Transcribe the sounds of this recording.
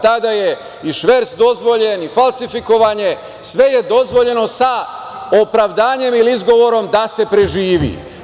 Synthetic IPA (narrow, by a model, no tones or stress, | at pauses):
t̪ad̪aje̞ | iʃʋeɾt̪sd̪o̞zʋo̞ʎe̞nifalˠsifiko̞ʋaɲe̞ | sʋe̞je̞d̪o̞zʋo̞ʎe̞no̞sa | o̞pɾaʋd̪aːɲe̞miliizɡo̞ʋo̞ɾo̞md̪ase̞pɾe̞ʒiːʋḭ